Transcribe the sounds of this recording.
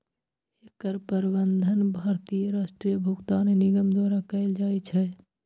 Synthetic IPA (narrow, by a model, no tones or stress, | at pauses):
ekəɾpəɾbənd̪ʱənbʱaːɾt̪ijəɾaːsʈɾijəbʱukt̪aːnenɪɡəmd̪waːɾakəɪld͡ʒaːit͡ʃʰɛ